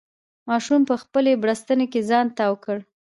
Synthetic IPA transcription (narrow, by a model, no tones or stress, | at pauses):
mɑʃumpəxpəlebɽast̪ənekezɑnt̪awkəɽ